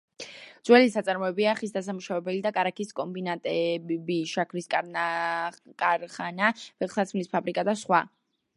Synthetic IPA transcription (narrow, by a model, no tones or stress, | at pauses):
d̪z̥wɛlisat̪sʼaɾmɔɛbiaːχisd̪asamuʃavɛbɛlid̪akʼaɾakʰiskʼɔmbinat̪ʼɛbiʃakʰɾiskʼaɾnakʼaɾχanavɛχsat̪sʰmlispʰabɾikʼad̪asχwa